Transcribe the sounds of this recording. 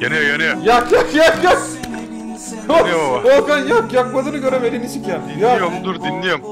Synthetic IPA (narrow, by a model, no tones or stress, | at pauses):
enɛenɛjakjakjakjak | ookanjakjak̚bazɯnɯɡøɾemelinit͡ʃikʰænijajomd̪uɾd̪inlʲijom